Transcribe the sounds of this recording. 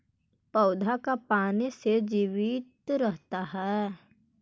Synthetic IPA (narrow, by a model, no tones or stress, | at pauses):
pɐʊd̪ʱakapaːnesed͡ʒiːʋɪt̪ɾəɦt̪aɦɛː